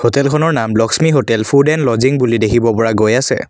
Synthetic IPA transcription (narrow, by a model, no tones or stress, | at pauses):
hotɛlkʰɔnɔɹnamblɔksmiɦotɛlpʰudɛnlɔziŋbulidekʰibɔpɔɹaɡojasɛ̰